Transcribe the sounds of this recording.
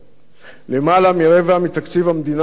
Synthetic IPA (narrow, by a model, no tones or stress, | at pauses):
lemalamiɾevamit̪akt͡sivhamed̪in